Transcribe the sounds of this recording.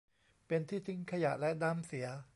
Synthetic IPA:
pe˧nt̪ʰiː˥˩t̪ʰɯ˦˥ŋkʰa˧ja˨˩ʔlɛ˦˥da˧msi˩˦ɐ

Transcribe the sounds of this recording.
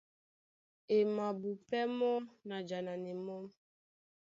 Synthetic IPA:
e˨mã˨bu˨pɛ˦mɔ˦mna˨d͡ʒa˨na˨ne˨mɔ˦m

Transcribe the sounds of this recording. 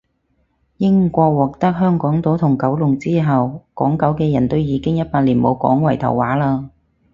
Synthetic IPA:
jɪ˥ŋkʷɔː˧k̚wɔː˨k̚t̪ɐ˥k̚ɦœː˥ŋkɔː˨˥ŋt̪o˨˥wt̪ʰʊ˨˩ŋkɐ˨˥wlʊ˨ŋt͡siː˥ɦɐ˨wkɔː˨˥ŋkɐ˨˥wkɛː˧jɐ˨˩nt̪o˥wjiː˨˧˥kɪ˥ŋjɐ˥t̚paː˧t̚liː˨˩nmo˨˧wkɔ̰ː˨˥ŋwɐ˨˩jt̪ʰɐ̰˨˩wːaː˨˥laː˧

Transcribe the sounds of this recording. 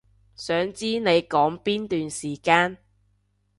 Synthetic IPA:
sœː˨˥ŋt͡siː˥ne˨˧jkɔː˨˥ŋpiː˥nt̪yː˨nsiː˨˩kaː˧n

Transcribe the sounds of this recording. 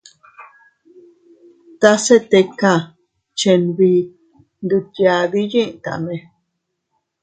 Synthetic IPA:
t̪a˦se˦t̪e˧ka˦˨ | t͡ʃe˧nβi˧ | nd̪u˧t̪ja˧βi˦jĩ˦ʔt̪a̰˨mẽ˧˨

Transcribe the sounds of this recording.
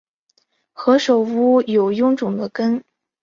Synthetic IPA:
xɤ˧˥ʂo˨˩ʊu˥jo˨˩ʊjʊ˥ŋʈ͡ʂʊ˨˩ŋd̪ə˦kə˥n

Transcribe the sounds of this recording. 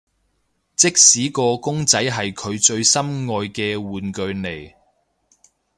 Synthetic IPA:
t͡sɪ˥k̚siː˨˥kɔː˧kʊ˥ŋt͡sɐ˨˥jɦɐ˨jkʰɵ˨˧ɥt͡ʃɵ˧ɥsɐ˥mŋɔː˨jkɛː˧wuː˨nkɵ˧ɥne˨˩j

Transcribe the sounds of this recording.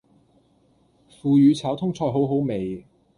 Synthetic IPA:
fuː˨˧jyː˨˧t͡sʰaː˨˥wt̪ʰʊ˥ŋt͡sʰɔː˧jɦo˨˥wɦo˨˥wme˨˩j

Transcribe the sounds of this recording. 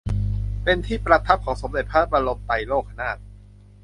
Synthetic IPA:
pe˧nt̪ʰiː˥˩pɾa˧t̪ʰa˦˥p̚kʰɔː˩˦ŋso˩˦md̪e˨˩t̪̚pʰaː˥˩p̚ɾa˧lo˧mt̪a˧jloː˥˩k̚ʰa˧˩naː˥˩t̪̚

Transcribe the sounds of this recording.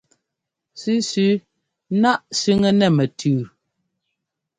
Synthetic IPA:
sʉ˦sʉ˨˦ | na˦ʔsʉ˦ŋɛ˦nɛ˨mɛ˨tʰʉː˨

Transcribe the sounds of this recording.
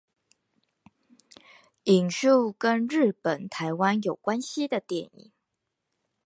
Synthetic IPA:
i˨˩ŋʂu˥˩kə˦nɻɻ̩˥˩pə˨˩nt̪ʰa˧˥ɪwa˥njo˨˩ʊkwa˥nɕi˧d̪ə˨t̪jɛ˨˩˦nḭ˨˩˦ŋ

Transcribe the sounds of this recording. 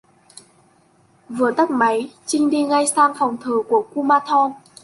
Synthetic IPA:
vɨ˨˩ət̪a˦˥k̚ma˨˦jt͡ɕï˧ŋ̟ɗi˧ŋa˧jsaː˧ŋfɔ˨˩wŋ͡mt̪ʰəː˨˩ku˧˩əku˧maː˧t̪ʰɔ˧n

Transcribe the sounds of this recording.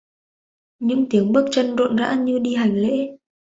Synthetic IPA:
ɲɨ̰˧˥ŋt̪i˨˦əŋɓɨ˦˥ək̚t͡ɕə˧nzo̰˧˨nza̰ː˧˥ɲɨ˧ɗi˧ɦa˨˩jŋ̟lḛ˧˥

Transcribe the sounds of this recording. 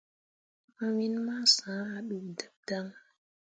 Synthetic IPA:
a˨wi˦nma˦sã˨˦a˨ɓi˨də˨p̚da˦ŋ

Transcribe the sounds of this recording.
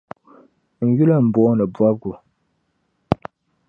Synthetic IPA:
n̩˨ju˦lə˦m̩˨bɔː˦nə˨bwa˦p̚ɡu˨

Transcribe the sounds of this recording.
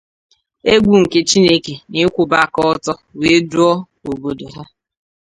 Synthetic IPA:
e˦ɡʷu˨ŋ̩˨ke˦t͡ʃi˦ne˦ke˨ni˦kʷʊ˨ba˨kɔ˦tɔ˦we˨˦du˦ɔ˦ | o˨bo˨do˨ɦɔ˦

